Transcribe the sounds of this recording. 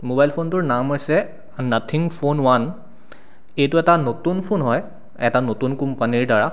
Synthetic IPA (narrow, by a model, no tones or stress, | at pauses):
mobajlpʰontʊɹnamɦojsɛ | natʰiŋpʰonwan | ejtʊɛtanotunpʰonɦɔj | ɛtanotunkumpaniɹdaɹa